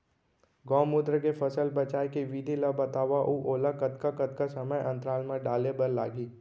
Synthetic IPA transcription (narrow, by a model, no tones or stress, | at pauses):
ɡɔ̃ːmːʊd̪ɾəkefɐsəlbɐt͡ʃaːjkiʋid̪ʱilabɐt̪aːʋaʔuːʔoːlakɐt̪kakɐt̪kasɐməjʔɐ̃nt̪ɾaːlmẽɖaːlebɐɾla̰ːɡiː